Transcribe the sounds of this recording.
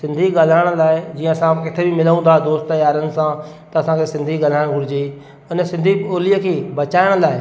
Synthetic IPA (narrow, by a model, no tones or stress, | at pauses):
sɪ̃nd̪ʱiɠaːl̤aːɪɽ̃laːɪd͡ʑiːə̃ɐsãkɪt̪ʰebɪmɪləũːnd̪ad̪oːst̪t̪ɐjaːɾənɪ̆sã | t̪ɐɐsãkʰesɪ̃nd̪ʱiɠaːl̤aːɪɽ̃ɡʱʊɽɪd͡ʑeː | ʊnə̆sɪ̃nd̪ʱioːliəkʰeːbɐt͡ɕaːɪɽ̃laːɪ